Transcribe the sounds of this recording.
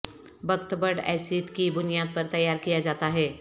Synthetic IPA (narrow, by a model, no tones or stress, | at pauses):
bʱɐɡt̪bəɽɛ̰ːsiːt̪kibʊnijaːd̪̚pɐɾt̪ɐjːaːɾkijad͡ʒaːt̪aɦɛː